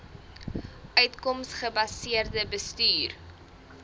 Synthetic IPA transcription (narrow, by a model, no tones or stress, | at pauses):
ʔœɥtkɔmsχəbɐsiərdəbəstyːr